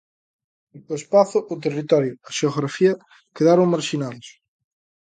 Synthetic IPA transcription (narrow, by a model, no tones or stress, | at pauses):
uespaθʊʔot̪̬erit̪ɔɾjʊɐʃeoɣɾafiɐ | keðaɾoŋmaɾʃinaðos